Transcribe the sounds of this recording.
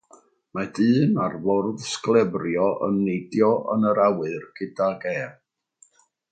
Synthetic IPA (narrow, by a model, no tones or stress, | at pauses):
madɨːnarvɔrðsklˠɛbrjɔʔə̰nːejdjɔʔə̰nəɾawɨrɡ̥ɪdaɡɛːv